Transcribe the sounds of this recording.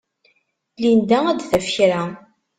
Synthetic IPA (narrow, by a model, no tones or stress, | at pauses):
lind̪ææd̪θæfçɾæ